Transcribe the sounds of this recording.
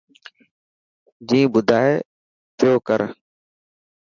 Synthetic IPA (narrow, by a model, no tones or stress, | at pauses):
d͡ʒĩːbʊd̪ʱaːɦe | t̪ʰɪjoːkəɾ